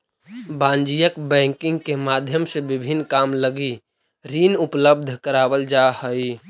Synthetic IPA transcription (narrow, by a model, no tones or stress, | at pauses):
bãːnd͡ʒijəkbɛ̃ːŋkɪ̃ŋɡ̚kemaːd̪ʱjəmsebɪbʱinːkaːmləɡi | ɾinʊpləb̚d̪ʱkəɾaːbəld͡ʒahəi